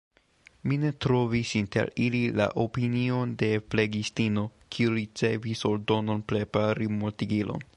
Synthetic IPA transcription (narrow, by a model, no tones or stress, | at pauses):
mine̞tɾo̞visinte̞̰ɾilila̰ʔopinio̞nde̞ple̞ɡistino̞kʰiuɾit͡se̞viso̞ɾdo̞no̞npɾe̞paɾimotiɡilo̞̰n